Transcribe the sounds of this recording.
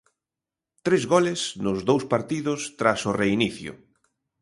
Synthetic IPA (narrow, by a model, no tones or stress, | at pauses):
t̪ɾezɣɔlɪsnʊzðowspaɾt̪iðʊst̪ɾasʊreiniθjʊ̰